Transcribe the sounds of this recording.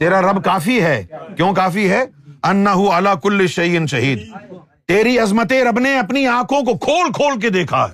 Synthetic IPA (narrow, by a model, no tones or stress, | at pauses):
t̪eːɾaɾɐbkaːfiɦɛːkjõːkaːfiɦɛɐnːɐɦʊɐlaːkʊlːɪʃɐjɪnʃɐɦiːd̪ | t̪eːɾiɐzmət̪eɾɐbneɐpniãːkʰõkokʰoːlkʰoːlk̬ed̪eːkʰa̰ːɦɛ̰